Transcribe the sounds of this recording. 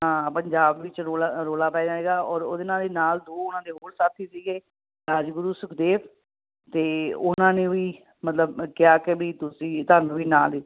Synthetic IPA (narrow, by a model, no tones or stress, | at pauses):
ɦãːpəɲd͡ʒaːbʋɪt͡ʃɾoːlaɾoːlaːpɛːd͡ʒ̪aːɦeːɡaːɔːɾoːd̪ɪnãːd̪eːnaːld̪oːʊnãːd̪eːɦoːɽsaːt̪ʰiːsiːɡeː | ɾaːd͡ʒɡʊɾuːsʊkd̪eːpʰ | t̪eːʊnãːnẽːʋiː | mət̪ləbkɪjaːkɪbiːt̪ʊsĩːt̪aːnũːʋiːnaːliː